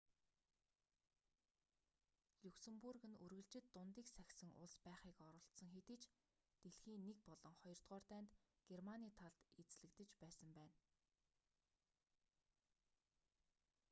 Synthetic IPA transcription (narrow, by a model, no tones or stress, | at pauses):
ɮuksĕmpurɣɘ̆nɵrɣɘ̆ɮt͡ɕɪ̆t̪ːʊnt̪iːksæxʲsɘ̆ŋʔʊ̰ɮspæːχiːkɔɾɞ̆ɬt̪sɞ̆ŋxet̪ɘ̆ːt͡ɕ | t̪eɮxiːnːek̚pɔɮɞ̆ŋχɔjɞ̆r̥t̪ʁɔːrt̪æːnt̪ | ɡ̥ermaniːt̪ʰaɮt̪et͡sɮɘ̆kt̪ɘ̆t͡ɕpæːsə̆mpæːn